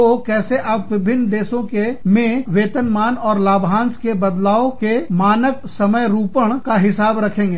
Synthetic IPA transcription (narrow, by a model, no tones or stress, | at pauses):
okɛːseʔaːpʋɪbʱɪnːd̪eːʃõkemẽʋeːt̪ənmaːnɔːɾlaːbʱɦãːnskebɐd̪laːokemaːnək | sɐməjɾuːpəɽ̃kaɦɪsaːbɾɐkʰẽːŋɡeː